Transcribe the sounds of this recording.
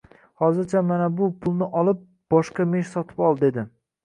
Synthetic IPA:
hɒzɪɾt͡ʃʰamanabʊpʰʊlˠnɪʔɒlˠɪp̚ | b̥ɒʃqɑme̞ʃsɒt̪ʰɪ̥pɒlˠd̪ed̪ɪ

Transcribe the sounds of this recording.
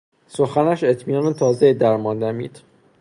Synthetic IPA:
soxænæʃe̞t̪ʰmiːnɒːnet̪ʰɒːzed̪æɾmɒːnd̪æmḭːd̪̥

